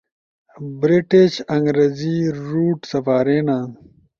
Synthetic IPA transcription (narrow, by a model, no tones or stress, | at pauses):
bɾiʈeɕɐŋɡɾeːziɾuːʈsɐfaːɾeːnãː